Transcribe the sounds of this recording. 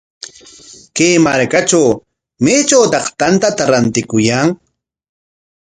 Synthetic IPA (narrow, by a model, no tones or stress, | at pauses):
keːmaɾkat͡ʃaw | meːt͡ʃawt̪ɑχt̪ant̪at̪aɾant̪ɪkʊjaŋ